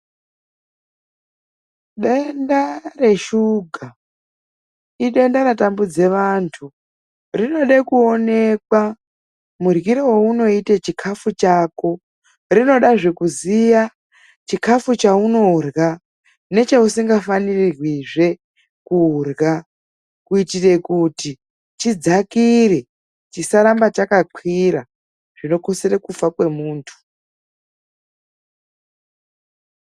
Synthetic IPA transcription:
ɗendare̞ʃuɡʱa | iɗe̞ndaɾatambud͡ze̞ʋantʰu | rino̞ɗekuo̞ne̞kwa | murɣiɾowouno̞itet͡ʃikʰafut͡ʃaːko̞ | rino̞ɗaʐe̞kuzija | t͡ʃikʰafut͡ʃauno̞rɣa | ne̞t͡ʃausiŋɡafanirirwiʐe̞ | kurɣa | kuitire̞kuti | t͡ʃid͡zakire̞ | t͡ʃisaɾambat͡ʃakaǃʰwiɾa | ʐ̥ino̞ko̞se̞rekufakwe̞muːntʰu̥

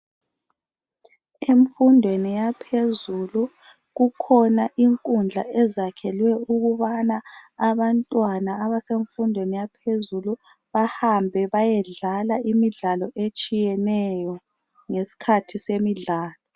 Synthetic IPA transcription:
eɱfundʱwenijapʰezulu | ɣukʰɔnaʔiŋkʼund͡ɮʱa̰ʔɛzakʰɛlwɛuɣuβanaːβantʼwanaːβaseɱfundʱwenijapʰezulu | βahambʱɛβajɛɮalaimiɮalɔʔet͡ʃʼijɛnɛjɔ | ŋesi̥kʰatʰisemiɮaːlɔ

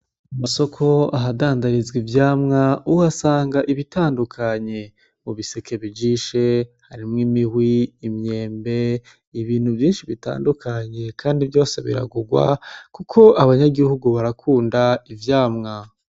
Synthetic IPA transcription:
amaso̞kʰo̞aɦadaːndaɾizɡivjaːmŋauwasaːŋɡaʔiβitaːndukʰaɲe̞ | muβiseke̞βid͡ʒiʃe̞haɾimŋimihwiːmɲe̞ːmbe̞ | iβiːn̥huvjiːnʃiβita̰ːndukʰaɲe̞kʰaːndivjo̞ːse̞βḭɾa̰ɡuɡwa̰kukʰo̞ʔaβaɲaɡihuɡuβaɾakʰuːndaivjaːmŋa

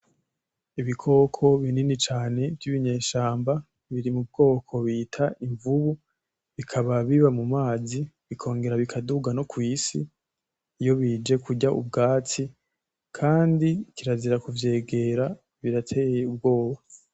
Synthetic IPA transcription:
iβikʰo̞ːkʰo̞βininit͡ʃaːne̞vjiβiɲe̞ːʃaːmba | βiɾimub̚ɡo̞ːkʰo̞βiːtʰaʔiɱvuβu | βikʰaβaβiβamumaːziβikʰo̞ːŋɡe̞ɾaβikʰaduɡano̞kwiːsḭː | jo̞βid͡ʒe̞kʰuɟaʔṵbɡaːt͡si | kʰaːndikiɾaziɾakuvje̞ːɡe̞ɾa | βiɾatʰe̞ːjeub̚ɡo̞ːβo

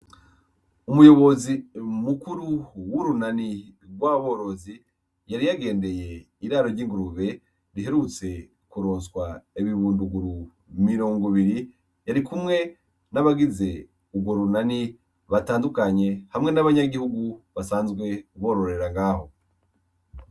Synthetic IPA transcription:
umujo̞βo̞zimukuɾuwuɾunaniɡwaːβo̞ːɾo̞zi | jaɾijaɡe̞ːnde̞je̞ | iɾaːɾo̞ɾɟiːŋɡuɾuβe̞ | ɾiɦe̞ɾut͡se̞ | kuɾoːnswaeβiβuːnduɡuɾu | miɾo̞ŋɡoβiɾi | jaɾikumŋe̞ | naβaɡize̞ | ubɡwo̞ɾunani | βataːndukaɲe̞hamŋe̞naβaɲaɡihuɡuβasaːnzɡwe̞kuβo̞ːɾo̞ɾe̞ɾaŋɡaːho̞

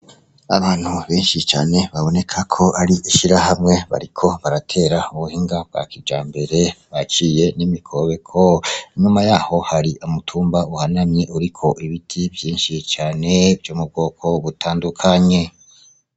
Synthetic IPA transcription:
a̰βaːn̥huβe̞ːnʃit͡ʃa̰ːne̞βaβo̞ne̞kʰakʰo̞ʔaɾiʔiʃiɾahamŋe̞βa̰ɾikʰo̞βaɾatʰe̞ːɾauβuhiːŋɡab̚ɡwa̰ːkid͡ʒaːmbe̞ɾe̞βat͡ʃije̞nimikʰo̞βe̞kʰo̞iɲumajaːho̞haɾiʔumutʰuːmbauhananiʔuɾikʰo̞ʔiβitʰibjiːnʃit͡ʃaːne̞vjoːmub̚ɡo̞ːkʰo̞βutʰaːndukʰaɲe̞

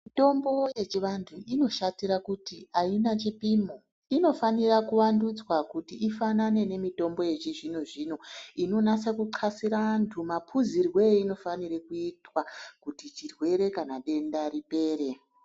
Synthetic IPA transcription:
mito̞mbo̞je̞t͡ʃiʋantʰuʔino̞ʃatiɾakutiainat͡ʃipimo | ino̞fanirakuwandud͡zwakutiːfanane̞ne̞mito̞mbo̞je̞t͡ʃiʐinoʐiːno̞ino̞nat͡sakuǃʰasiɾantʰumapʰuzirwe̞ino̞fanirekuitwakutit͡ʃirwe̞ɾe̞kanaɗe̞ndaɾipe̞ːɾe̞

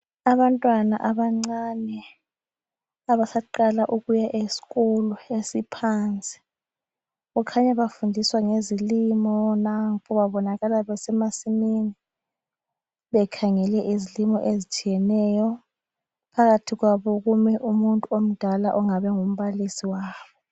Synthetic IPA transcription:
aβantʼwanaʔaβaŋ͡ǀanɛ | aβasaǃalaʔuɣujaʔesi̥ɣuluesipʰant͡sʼi̥ | ɣukʰaɲaβafundʱiswaŋezilimɔnaŋpʰʼɔβaβɔnaɣalaβɛsɛmasimini | βɛkʰaŋɛlɛʔizilimɔʔezit͡ʃʼijɛnɛjɔ | pʰaɣatʰiɣwaβɔɣumɛʔumuntʼuom̩d̥ʱalaʔɔŋaβɛŋum̩βalisiwaːβɔ

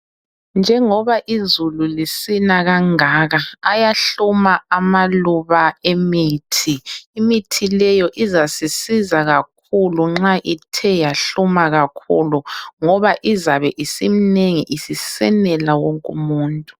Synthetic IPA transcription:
nd͡ʒʱɛŋɔβaʔizululisinaɣaŋaːɣaːjaɬumaamaluβaemiːtʰiːmitʰilɛjɔʔizasisizaɣak̚ʰuluŋ͡ǁaʔitʰɛjaɬumaɣakʰṵluŋɔβaʔizaβɛʔisimineŋiʔisisɛ̰nɛlawɔŋkʼumuːntʼu̥

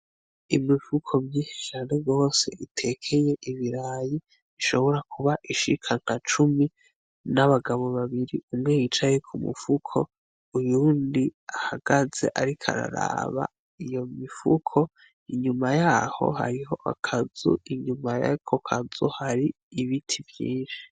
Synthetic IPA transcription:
imifukʰo̞mɲiʃe̥t͡ʃaːne̞ɡo̞ːse̞ʔitʰe̞kʰe̞je̞ʔiβiɾaji | iʃo̞βo̞ɾakuβaʔiʃikʰaŋ̥hat͡ʃumi | naβaɡaβo̞βaβiɾiumŋe̞jit͡ʃajekʰumṵfukʰo̞ | ujuːndiahaɡ̥aze̞̰ʔaɾikʰa̰ɾa̰ɾa̰βa̰ | ijo̞mifṵkʰo̞ | iɲumajaːho̞̰ha̰ɾiho̞ʔa̰kʰazṵiɲumaja̰kʰokʰazuhaɾi | iβitʰivjḭːnʃi̥

